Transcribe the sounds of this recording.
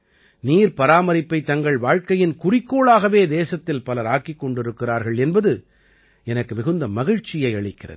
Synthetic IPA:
niːɾpɐɾaːmɐɾɪpːɐɪt̪ːɐŋɡɐɭʋaːɻkɐjɪnkʊrɪkːoːɭaːɣɐʋeːd̪eːsɐt̪ːɪlpɐlɐɾaːkːɪkːɔɳɖɪɾɯkːɪraːɾɣɐɭɛnbɐðɯ | ɛnɐkːɯmɪɣɯnd̪ɐmɐɣɪɻt͡ʃːɪjɐɪɐɭɪkːɪrɐ̰ðɯ

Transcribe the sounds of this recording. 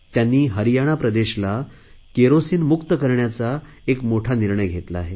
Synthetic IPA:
t̪janːiːɦəɾijaɽ̃apɾəd̪eɕla | keɾosiːnmukt̪əkəɾɳjat͡saekmoʈʰaniɾɳəjɡʱet̪laːɦe

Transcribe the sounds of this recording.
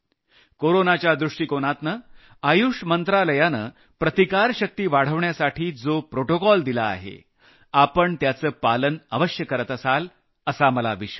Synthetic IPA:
koɾonat͡ɕjad̪ɾuʂʈiːkoɳat̪nə | ajuʂmənt̪ɾaləjanə | pɾət̪ikaɾɕək̚t̪iːʋaɽ̤əʋɳjasaʈʰiːd͡zopɾoʈokɔld̪ila̰ːɦḛ | apəɳt̪jat͡səːpalənəʋəɕjəkəɾət̪əsal | əsaməla̰ʋiɕ

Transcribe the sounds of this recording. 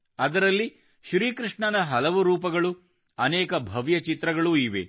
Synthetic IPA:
ɐd̪ɐɾɐlːi | ʃɾiːkɾɨʂɳɐnɐɦɐlɐʋuɾuːpɐɡɐɭu | ɐnɛːkɐbʱɐʋjɐt͡ʃit̪ɾɐɡɐɭuiːʋḛ

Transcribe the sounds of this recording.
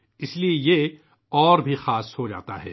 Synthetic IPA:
ɪslieje | ɔːɾbʱixaːshod͡ʒa̰ːt̪a̰ɦɛ̰ː

